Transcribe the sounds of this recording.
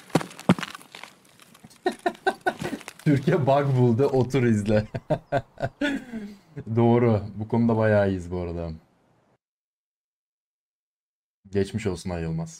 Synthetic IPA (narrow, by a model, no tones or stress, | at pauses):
t̪ʰyɾcɛbakbulˠd̪ɯʔot̪ʰuɾizlʲɪ | d̪o̞ːɾʊbukʰo̞nud̪abajaːjɯzbuaɾad̪am | ɟɛt͡ʃmiʃo̞lˠsunajɯlˠmaz̥